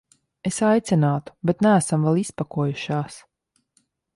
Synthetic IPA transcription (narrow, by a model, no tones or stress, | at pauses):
esajt̪sɛnaːt̪u̥bet̪næːsamvɛlˠispakuɔjuʃaːs